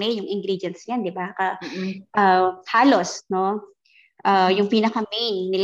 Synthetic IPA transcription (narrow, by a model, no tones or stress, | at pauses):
ɛjjʊŋʔɪŋɡɾid͡ʒɛnsɲand̪ɪbakɐʔɐhaːlo̞sno̞ | ʔajʊŋpiːnɐkɐmejnːɪl